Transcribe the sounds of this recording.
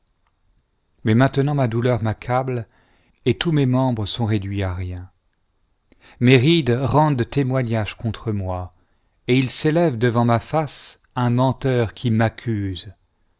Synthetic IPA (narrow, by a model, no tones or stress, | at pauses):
mɛmɛ̃t̪ənɑ̃mad̪ulœʁmakʰabl | et̪umɛmɑ̃bʁəsɔ̃ʁed̪ɥiaʁjɛ̃ | meʁid̪ʁɑ̃d̪ət̪emwaɲaʒkɔ̃t̪χəmwa | eilselɛvd̪əvɑ̃mafas | ɛ̃mɑ̃t̪œʁkʲʰimakʲʰyz